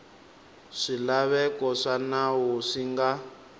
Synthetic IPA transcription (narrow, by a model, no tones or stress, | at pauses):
ʂilaβɛkɔʂanawuʂiŋɡa